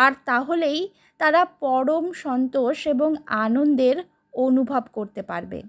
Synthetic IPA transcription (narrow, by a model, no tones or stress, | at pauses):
aɾt̪aɦolej | t̪aɾapɔɽomʃɔnt̪oʃeboŋanond̪eɾ | onubʱabkoɾt̪epa̰ɾbḛ